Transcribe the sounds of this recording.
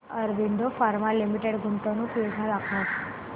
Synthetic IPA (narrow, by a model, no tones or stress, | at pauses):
əɾʋiɳd̪ofaɾmãlimiʈeɽɡʱuɳʈonũpiod͡ʒnãlakʰnat